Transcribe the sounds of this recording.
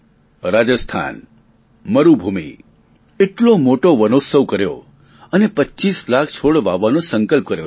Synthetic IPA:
ɾad͡ʒəst̪ʰa̰n | məɾubʱumḭ | eʈlomoʈoʋənosəʋkəɾjo̰ | ənepətːt͡ʃislak̚ʰt͡ʃʰoɽʋaʋːanõsəŋkəlp̚kəɾjo

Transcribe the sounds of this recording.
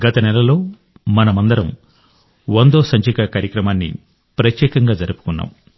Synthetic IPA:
ɡɐt̪ɐnɛlɐlo̞ː | mɐnɐmɐnd̪ɐɾɐm | ʋɐnd̪oːsɐɲt͡ʃikakaːɾjɐkɾɐmaːnːḭ | pɾɐt̪jɛːkɐŋɡaːd͡ʒɐɾupu̥kunːa̰ːm

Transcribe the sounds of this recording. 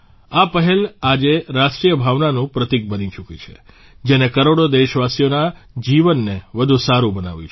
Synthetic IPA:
apəɦɛlad͡ʒeɾaʃʈɾijəbʱaʋnanũpɾət̪ik̚bənit͡ʃukit͡ʃʰe̥̰ | d͡ʒenekəɾoɽod̪eʃʋasijonad͡ʒiʋənːeʋəd̪ʱũsaɾũbəna̰ʋjṵt͡ʃʰ

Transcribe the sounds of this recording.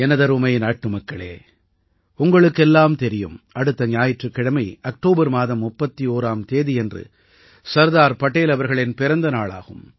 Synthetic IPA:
ɛnɐðɐɾʊmɐjnaːʈːɯmɐkːɐɭḛː | ʊŋɡɐɭɯkːɛlːaːmt̪ɛɾɪjɯ̰mɐɽɯt̪ːɐnɪjaːjɪʈrɯkːɪɽɐmɐɪɐk̚ʈoːbɐɾmaːðɐmːʊpːɐt̪ːioːɾaːmt̪eːðiɛndrɯ̰ | sɐɾðaːɾpɐʈːeːlɐʋɐɾɣɐɭɪnpɪɾɐnd̪ɐnaːɭa̰ːɣɯ̰m

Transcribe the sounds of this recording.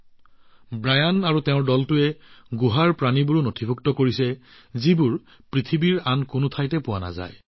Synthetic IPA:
bɹajanaɹutɛʊ̃ɹdɔltʊɛɡuɦaɹpɹanibuɹunotʰibʱuktɔkoɹisɛ | zibuɹ | pɹit̪ʰibiɹankʊnʊtʰajtɛpʊwana̰za̰j

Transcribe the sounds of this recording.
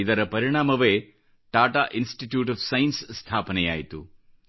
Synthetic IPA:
id̪ɐɾɐpɐɾiɳ̃aːmɐʋeː | ʈaːʈaːʔinsʈiʈjuːʈ̬ɐfsɐjnssːt̪ʰaːpɐnɛja̰ːjit̪u

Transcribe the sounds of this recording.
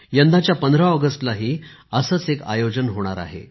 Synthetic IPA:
jənd̪ʱat͡ɕjapənd̪ʱɾaəɡəsʈlaɦiːəsəːt͡seka̰jod͡ʑənɦoɽ̃aɾa̰ɦḛ

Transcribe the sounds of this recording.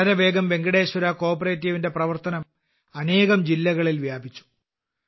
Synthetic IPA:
ɾɐʋe̞ːɡɐmbe̞ŋɡɐɽe̞ːɕɐɾako̞ːpɐreːtːiʋinde̞prɐʋɐrt̪ɐnɐm | ɐne̞ːɣɐmd͡ʑilːɐɣɐɭilʋjaːbʱit͡ɕːu̥

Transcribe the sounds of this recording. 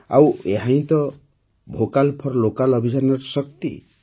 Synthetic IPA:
a̰weɦãj̃t̪ɔ | bʱokalpʰɔɾlokalʌbʱid͡ʒanɔɾsʌkt̪ḭ

